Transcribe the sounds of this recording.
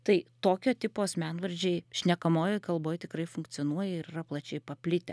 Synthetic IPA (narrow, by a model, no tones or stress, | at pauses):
t̪ɐɪt̪oːkʲoːt̪ʲɪpoːsmʲænʋɐɾʲd͡ʒʲeɪʃʲnʲɛkɐmoːjoːkɐlˠboːjt̪ʲɪkrɐɪfʊŋkt͡ssʲɪonuɔjɛɪɾirɐplˠɐt͡ʃʲɛɪpɐpʲlʲɪt̪ʲɛ